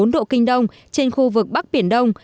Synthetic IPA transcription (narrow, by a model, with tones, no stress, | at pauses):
o˨˦nɗo̰˧˨kï˧ŋ̟ɗə˧wŋ͡m | t͡ɕe˧nxu˧vɨ˨˩k̚ɓa˦˥k̚ɓi˧˩ənɗə˧wŋ͡m